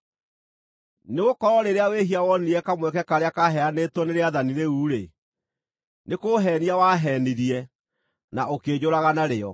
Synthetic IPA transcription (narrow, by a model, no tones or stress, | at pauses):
neɣokɔɾɔɾeɾeaweɦiawɔniɾɛkamwɛkɛkaɾeakaɦɛanetwɔneɾeaðaniɾeuːɾe | nekoːɦɛːniawaɦɛːniɾiɛ | naokeɲoɾaɣanaɾeɔ̰